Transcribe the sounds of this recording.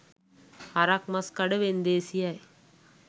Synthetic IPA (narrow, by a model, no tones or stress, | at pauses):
hɐɾak̚mɐskɐɽɯʋend̪eːsijaj